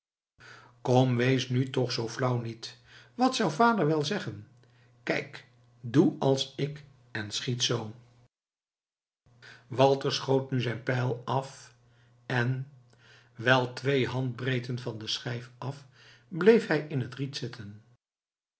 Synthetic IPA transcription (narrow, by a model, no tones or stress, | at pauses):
komʋejsnytɔχsowflʌwnit | ʋɑtsʌwvaːdəɹʋɛlˠzɛχən | kɛjk | duɑlˠsɪk | ɛnsχitsow | ʋɑlˠtəɹsχowtnyzɛjnpɛjlˠɑf | ɛn | ʋɛlˠtʋejɦɑnd̚brejtənvɑndəsχɛjfɑf | blejfɦɛjɪnɦətritsɪtʰən